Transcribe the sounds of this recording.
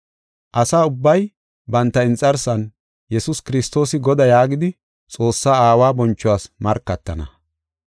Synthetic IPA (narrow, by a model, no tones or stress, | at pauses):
ʔɐsaːʊbːɐj | bɐnt̪ːɐɪnt͡sʼːɐɾsɐn | jɛsʊskɪɾɪst̪o̞ːsɪɡɔd̪ɐjaːɡɪd̪ɪ | t͡sʼo̞ːsːaːaːwaːbɔnt͡ʃːʊwaːsmɐɾkːɐt̪ːɐnɐ